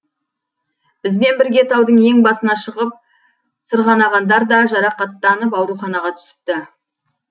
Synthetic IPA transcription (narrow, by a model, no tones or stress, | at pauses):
b̥ɪzbe̞nbɪɾɡʲe̞t̪ʰɑwd̪əɴje̞ŋbɑsənɑʃəʁəp̚ | səɾʁɑnɑʁɑnd̪ɑɾd̪ɑʒɑɾɑqɑt̪ːɑnəpɑwɾuχɑnɑʁɑt̪ʰʏ̥sɪ̥p̚t̪ɪ